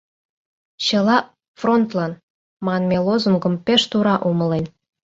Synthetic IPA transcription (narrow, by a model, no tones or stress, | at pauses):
t͡ɕə̆lɑ | front̪lɑn | mɑnmʲelozə̆mɡə̆mpeʃt̪uɾɑʔumə̆len